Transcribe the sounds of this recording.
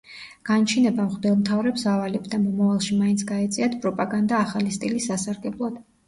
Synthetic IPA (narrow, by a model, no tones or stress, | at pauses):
ɡ̥ant͡ʃʰinɛbamχd̪ɛlˠmt̪ʰavɾɛpsavalɛbd̪amɔmavalˠʃimaintsʰɡaɛt̪sʼiat̪ʰpʼɾɔpʼaɡand̪aːχalist̪ʼilisasaɾɡɛblˠɔd̪̥